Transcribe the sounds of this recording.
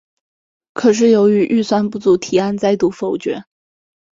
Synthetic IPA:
kʰɤ˨˩ʂ̬ɻ̩˥˩jo˧˥ʊy˧˥ʔy˥˧swa˥˧npu˥˩t͡su˧˥t̪ʰi˨˩a˥˧nt͡sa˥˧ɪt̪u˥˩fo˧˥ʊt͡ɕɥɛ̰˧˥

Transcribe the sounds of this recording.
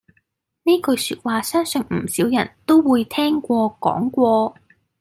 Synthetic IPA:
neː˥kɵ˧ɥsyː˧t̚waː˧sɐː˥nsɵ˧ŋm̩˨˩siː˨˥wjɐ˨˩nt̪o˥wwuː˨˧jt̪ʰɛː˥ŋkʷɔː˧kɔ̰ː˨˥ŋkʷɔː˧

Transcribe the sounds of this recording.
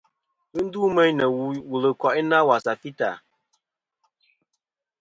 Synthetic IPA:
pɨ˦n̩˦du˦mɛ˦jnə˨wu˨lə˨kɔ˨ʔɪ˦na˦wa˨sa˨pi˦ta̰˨

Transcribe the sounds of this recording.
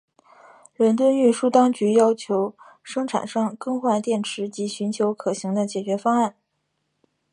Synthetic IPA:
ɻə˧˥nt̪wə˥ny˥˩ʂu˥˩t̪ɑ˥ŋt͡ɕy˧˥jɑ˥ʊt͡ɕʰjo˧˥ʊ | ʂɤ˥ŋʈ͡ʂʰa̰˨˩nʂɑ˥˩ŋkɤ˥ŋxwa˥˧nt̪jɛ˥˩nʈ͡ʂʰɻ̩˧˥t͡ɕi˧˥ɕy˧˥nt͡ɕʰjo˧˥ʊkʰɤ˨˩ɕi˧˥ŋd̪ə˧t͡ɕjɛ˨˩t͡ɕɥɛ˧˥fɑ˥ŋa˥˩n

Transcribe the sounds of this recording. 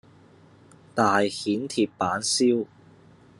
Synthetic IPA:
t̪aː˨jhiː˨˥nt̪ʰiː˧ppaː˨˥nsiː˥w

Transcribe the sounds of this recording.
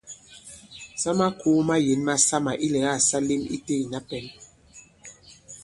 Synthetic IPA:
sa˦ma˦ku˦ma˦je˨˦nma˦sa˦ma˨ʔi˦lɛ˨˦ɣa˦˨sa˦li˦mḭ˦te˦˨i˨na˦pɛ˨˦n

